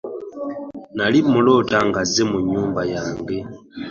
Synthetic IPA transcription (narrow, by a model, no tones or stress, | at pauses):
nalimulɔtaŋɡazemuɲuːmbajaŋɡe